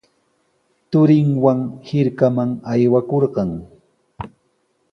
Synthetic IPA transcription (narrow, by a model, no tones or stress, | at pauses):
t̪ʊɾɪŋwaŋhɪɾkamaŋajwakoɾɢɑŋ